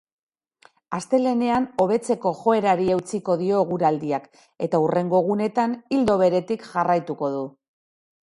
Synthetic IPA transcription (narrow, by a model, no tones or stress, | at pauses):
ast̪e̞le̞ne̞ano̞βe̞t͡se̞ko̞ʝo̞e̞ɾaɾiewt͡siko̞ðio̞ɣ̞uɾald̪iak | e̞t̪aure̞ŋɡo̞ɣ̞une̞t̪anild̪o̞β̞e̞ɾe̞t̪ikʝarajt̪uko̞ð̞u